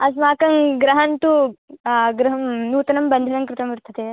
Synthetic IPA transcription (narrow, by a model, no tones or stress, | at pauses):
ɐs̬maːkɐŋɡɾɐɦɐnt̪u | ɡɾɐɦɐmnuːt̪ɐnɐmbɐnd̪ʱɐnɐmkɾɪt̪ɐmiɾt̪ʰːɐt̪eː